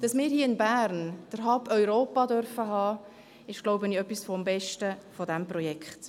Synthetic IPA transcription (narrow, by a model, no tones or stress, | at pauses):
d̥ɑsmɪːɾhiːɪnbæːɾnd̥əɾɦɑpœʏɾoːpɑdœɾfəɦɑː | ɪʃɡ̥loʊbəniœpːisfɔmbɛʃtəfodæmpɾɔjɛkχt